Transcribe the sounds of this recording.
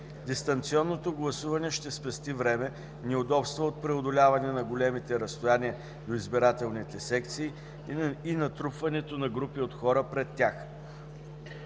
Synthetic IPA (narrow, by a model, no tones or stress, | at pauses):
d̪ist̪ɐnt̪siɔnːot̪oɡlˠɐsuvɐnɛʃt̪ɛspɛst̪ivɾɛmɛ | nɛod̪ɔpst̪vəot̪̚pɾɛod̪olʲavɐnɛnɐɡolɛmit̪ɛɾɐst̪ojaniə | d̪oizbiɾat̪ɛlˠnit̪ɛsɛkt̪siː | inɐt̪ɾupvɐnɛt̪onɐɡɾupiot̪xɔɾəpɾɛt̪ʲːjax